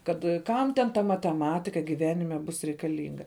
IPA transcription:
ˈkɐt ˈkɐm tʲɛn tɐ mɐtʲɛˈmɑːtʲɪkɐ ɡʲɪˈʋʲæːnʲɪmʲɛ ˈbʊs rʲɛɪkɐˈlʲiːŋɡɐ

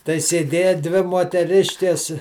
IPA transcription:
tɐɪ sʲeːˈdʲeːjɛ ˈdʲʋʲɪ moːtʲɛˈrʲɪʃʲkʲɛs

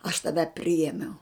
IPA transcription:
ɐʃ tɐˈʋʲɛ ˈpʲrʲɪeːmʲɛʊ

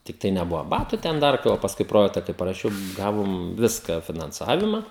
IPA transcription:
ˈtʲɪktɐɪ nʲɛˈbʊʋɐ ˈbɑːtʊ ˈtʲɛn ˈdɐr tɐɪ ʋɐ pɐsˈkʊɪ ˈproːjɛktɐ kɐɪ pɐrɐˈʃʲɛʊ ˈɡɑːʋoːm ˈʋʲɪskɐ fʲɪnɐnˈt͡sɑːʋʲɪmɐ

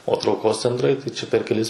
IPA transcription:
oː trɐʊˈkoːs t͡sʲɛnˈtrɐɪ tɐɪ t͡ʃʲɛ pʲɛr kʲɛˈlʲɪs

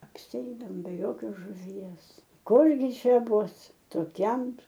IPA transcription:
ɐpʲsʲɪˈɛɪdɐoːm bʲɛ ˈjoːkʲoːs ʒʊˈʋʲiɛs ˈkʊrʲɡʲɪ ˈt͡ʃʲɛ ˈbʊs toːˈkʲɛm

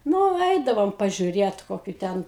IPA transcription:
ˈnʊ ˈɛɪdɐʋoːm pɐʒʲʊˈrʲeːt ˈkoːkʲʊ ˈtʲɛn

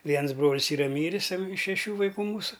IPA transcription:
ˈʋʲiɛns ˈbroːlʲɪs ˈiːrɐ ˈmʲiːrʲɪs ˈtɐm ɪʃ ʃʲɛˈʃʲuː ʋɐɪˈkuː ˈmuːsʊ

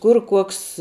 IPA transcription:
ˈkʊr ˈkuɔks

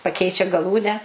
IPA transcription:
pɐˈkʲɛɪt͡ʃʲɛ ɡɐˈlˠuːnʲæː

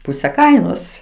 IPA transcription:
ˈpuːsʲɛ ˈkɐɪnoːs

